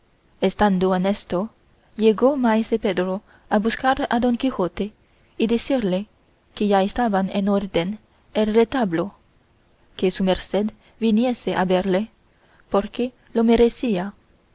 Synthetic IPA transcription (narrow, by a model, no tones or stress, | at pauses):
est̪and̪oenest̪o | ʎeɣomaeseped̪ɾo | abuskaɾad̪o̞ŋkixot̪e | iðesiɾle | keʝaest̪aβanenoɾd̪en | elret̪aβlo | kesumeɾsed̪ | binjeseʔaβeɾle | poɾke | lomeɾesia